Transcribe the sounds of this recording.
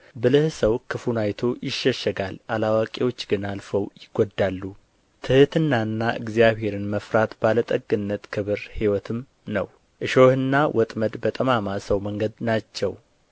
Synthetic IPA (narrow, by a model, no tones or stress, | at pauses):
bɨlɨhsəwkʰɨfunajt̪ʰo̞jɪʃːəʃːəɡalalawakʼewo̞t͡ʃːɡɨnalfəwjɪɡ̥od̪ːalːu | t̪ʰɨhɨt̪ʰɨnːaɨnːaʔɨ̰ɡzijaβhe̞ɾɨnməfɾat̪balət̪ʼəɡːɨnːət̪kʰɨβɨɾhiwɔt̪ʰɨm | nə̰w | ʔɨʃo̞hɨnːawʔɔt̪ʼməd̪bət̪ʼəmamasəwməŋɡəd̪nat͡ʃːɛw